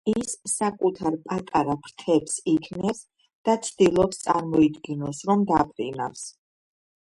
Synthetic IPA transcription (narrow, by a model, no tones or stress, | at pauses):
isːakʼut̪ʰaɾpʼat̪ʼaɾapʰɾt̪ʰɛpsikʰnɛs | d̪̥at̪sʰd̪̥ilˠɔpst̪sʼaɾmɔid̪ɡɛnɔsɾɔmd̪apʰʼɾḭna̰fs